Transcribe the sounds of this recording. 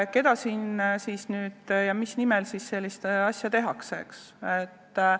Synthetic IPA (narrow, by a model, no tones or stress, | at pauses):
ke̞d̪̥ɑsiːnsiːsnyːd̪̥jɑmisnimɛlsisse̞lʲːist̪ɑsʲjɑt̪e̞ɦɑksḛks | et̪ː